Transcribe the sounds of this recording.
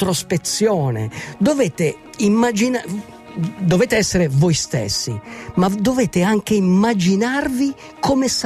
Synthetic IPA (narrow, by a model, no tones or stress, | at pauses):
t̪ɾɔspet̪sːjɔːnḛd̪ovɛːt̪e | imːad͡ʒina | d̪oveːt̪eɛsːeɾevojst̪ḛsːimad̪ːovɛːt̪eaŋk̟eimːad͡ʒinarvi | kʰɔmes